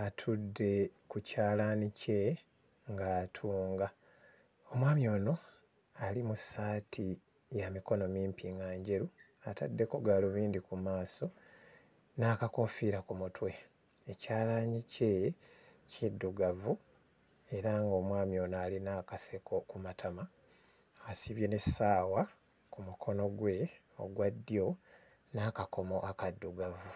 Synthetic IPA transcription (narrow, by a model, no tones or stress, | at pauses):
atʰudːe̞kucaːlaːnice̞ | ŋɡaːtʰuːŋɡa | o̞mwaːmjo̞ːno̞ | alimusaːtʰi | jamiko̞no̞miːmpiŋɡaːɲɟe̞ɾu | ata̰dːe̞koɡaːluβiːndikumaːso̞ | naːkako̞fiɾakumutwe̞ | ecaːlaːɲice̞ | cʰedːuɡavu | e̞ɾaŋɡo̞ːmwaːmijo̞naːlinakasekʰo̞kumatʰamaː | siβje̞ne̞saːwa | kumukʰo̞no̞ɡwe̞ | o̰ɡwadːjo̞ | naːkako̞mo̞ʔakadːuɡavu